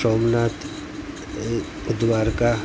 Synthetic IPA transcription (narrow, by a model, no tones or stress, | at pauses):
oːmnaːt̪ | ʊd̪waːɾka